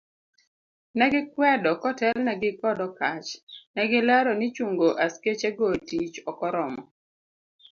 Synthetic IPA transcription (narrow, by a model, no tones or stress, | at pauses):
nɛɡɪkwɛdɔkɔtɛlnɛɡɪkɔdɔkat͡ʃnɛɡɪlaɾɔnɪt͡ʃuŋɡoʔasket͡ʃeɡotit͡ʃɔkɔɾɔmɔ